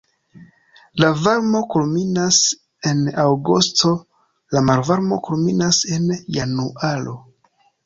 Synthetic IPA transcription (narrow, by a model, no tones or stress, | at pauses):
lavaɾmo̞kulminas | e̞nawɡustʰo̞ | lamaɾvaɾmo̞kulminase̞njanuʔalo̞̰